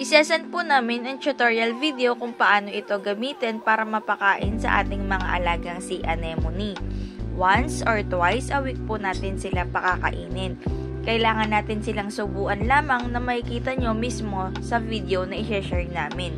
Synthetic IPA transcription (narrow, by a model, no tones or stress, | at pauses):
ʔɪsɛːsɐnpʊnaːmɪnʔɐŋt͡ʃʊt̪oɹjɐlvid̪ɛokʊŋpɐʔaːno̞ʔɪt̪o̞ɡɐmiːt̪ɛnpaːɾɐmɐpɐkaːʔɪnsɐ̰ʔa̰ːt̪ɪŋmɐŋa̰ʔɐlaːɡɐŋsiʔɐnɛmoniwansʔoɹt̪wajsʔɐwik̚pʊnaːt̪ɪnsɪlapɐkakɐ̰ʔiːnɪn | kɐʔɪlaːŋɐnːaːt̪ɪnsɪlaŋsʊbuːʔɐnlaːmɐŋnɐmɐʔɪkiːt̪ɐɲo̞mismo̞sɐvid̪ɛonɐʔɪʃɛʃɛɹŋnaːmɪn